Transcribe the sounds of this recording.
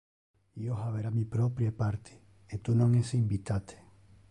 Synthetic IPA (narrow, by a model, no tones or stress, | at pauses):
ioɦaβeɾamĩpɾopɾjepaɾt̪ʰe̥ː | t̪unõŋesimbit̪at̪e̥